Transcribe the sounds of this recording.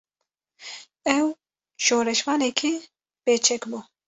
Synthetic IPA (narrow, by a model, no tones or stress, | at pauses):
ɛw | ʃoːɾɛʃmɑːnɛkʰi | peːt͡ʃʰɛkbuː